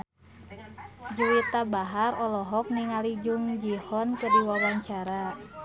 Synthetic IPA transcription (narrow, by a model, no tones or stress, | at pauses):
d͡ʒuwit̪abaɦaɾɔlɔɦɔk̚niŋalid͡ʒuŋd͡ʒihɔnkɨrdiwawaɲt͡ʃaɾa